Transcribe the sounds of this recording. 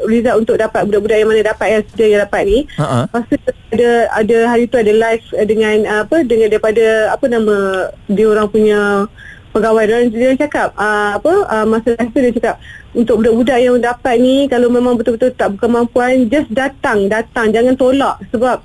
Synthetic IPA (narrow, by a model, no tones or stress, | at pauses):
rizaʔunt̪ʊk̚dapat̪̚budaʔbudaʔjaŋmanadapat̪̚kaŋsədiajaŋdapat̪̚nipasuadaadaɦaɾit̪uadalajfdəŋãnəapədəŋãndaɾipadaapənamãdioɾaŋpuɲã | pəɡawajnoaŋdat͡ʃakap̚əapəəmasalait̪udat͡ʃakap̚unt̪ʊk̚budaʔbudaʔjaŋdapat̪̚nikalamemãŋbət̪ubət̪ult̪aʔbukanmampuand͡ʒasdat̪aŋdat̪aŋd͡ʒaŋant̪olaʔsəbap̚